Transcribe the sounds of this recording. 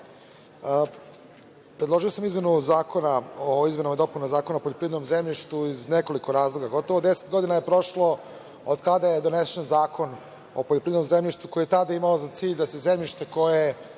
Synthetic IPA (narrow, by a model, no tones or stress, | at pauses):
ə | pɾe̞d̪lˠoʒiosamizme̞nuzaːkʰonaoizmenomad̪o̞punozaːkonaopoʎopɾivd̪nomzemʎʲiʃt̪uizneko̞liko̞ɾaːzlˠo̞ɡaɡo̞t̪oʋod̪ese̥t̪̚ɡo̞d̪inajepɾo̞ʃlo̞ | od̪kad̪ajed̪o̞nesenzaːkʰo̞n | o̰poʎo̞pɾiːdnomzemʎʲiʃt̪ukojijet̪ad̪aimaozat̪siːʎʲd̪ase̞zemʎiʃt̪eko̞je